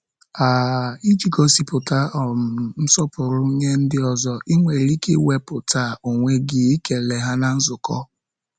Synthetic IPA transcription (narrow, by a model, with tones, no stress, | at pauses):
a˨i˦d͡ʒi˨kɔ˦si˨pʊ˨ta˦ɔ˨ɾʊ˨m̩˨m̩˦sɔ˦pʊ˨ɾʊ˦ɲe˦n̩˦dɪ˦ɔ˨zɔ˦ʔi˦ŋʷe˨ɾi˦kḛ˦we˦pʊ˨ta˦˨o˨ŋʷe˦ɡɪ˨i˦ke˨le˨ɦa˦na˦n̩˦zʊ˨kɔ̰˦